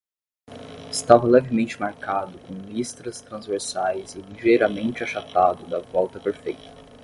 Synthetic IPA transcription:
ɪst̪avɐlɛvɪmẽnt͡ʃɪmaɾkad̪ʊkõw̃list̪ɾɐst̪ɾɐ̃zveɾsajzɪliʒejɾɐmẽnt͡ʃɪaʃat̪ad̪ʊd̪ɐvɔwt̪ɐpeɾfejt̪ɐ̥

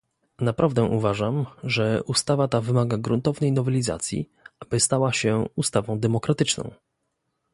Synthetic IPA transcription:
napɾʔavd̪ɛʔuvaʐamʐɛʔust̪avat̪avɘmaɡaɡɾunt̪ɔvnɛjnɔvɛlʲiza̰t̪sʲjḭ | abɘst̪awaɕɛust̪avɔ̃w̃d̪ɛmɔkɾat̪ɘt͡ʂnɔ̰̃w̃

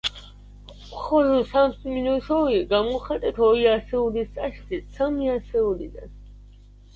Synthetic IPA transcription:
χɔlɔsamsminɔsɔiɡamɔχat̪ʼɛt̪ʰɔiasɛulisʼaʃt̪isʰamiasɛulḭd̪a̰n

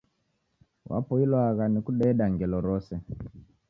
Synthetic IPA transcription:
wʔa̰pɔilwaɣanikuɗɛːɗaŋɡɛlɔɾɔsɛ

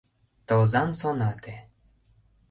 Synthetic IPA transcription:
t̪ɤlzɑnsonɑt̪e

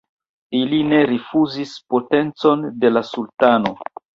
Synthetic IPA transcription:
iline̞ɾifuzispo̞te̞nt͡so̞nde̞lasultano̞

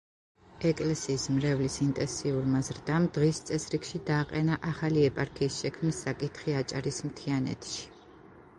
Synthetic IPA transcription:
ɛkʼlɛsiːsmɾɛvlisint̪ʼɛnsiuɾmazɾd̪amd̪̥ʁist̪sʼɛsɾikʃid̪aːqʼɛnaʔaχaliɛpʼaɾkʰiːsʃɛkʰmnisːakʼit̪ʰχiat͡ʃʼa̰ɾismt̪ʰianɛ̰t̪ʼʃi̥

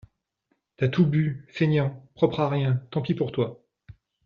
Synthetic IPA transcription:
t̪yat̪ʰubyfeɲjɑ̃pχɔpχaʁjɛ̃t̪ɑ̃pipuʁt̪wa

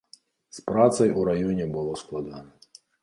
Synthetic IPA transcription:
spɾat̪sɐjuɾajɔnʲɛbɨlˠɔsklˠad̪anɐ

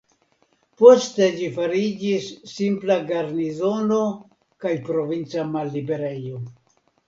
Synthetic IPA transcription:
po̞ste̞d͡ʒifaɾid͡ʒisːimplaɡaɾnizo̞no̞ | kajpɾo̞vint͡samalːibe̞ɾe̞jo

